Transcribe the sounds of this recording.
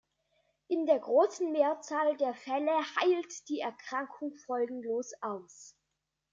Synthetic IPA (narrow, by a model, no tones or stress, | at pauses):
ʔɪndeːɐɡʁoːsn̩meːɐt͡saːldeːɐfɛləhaɪltd̥iːɛɐkʁ̥aŋkʰʊŋfɔlɡŋ̩loːsʔaʊs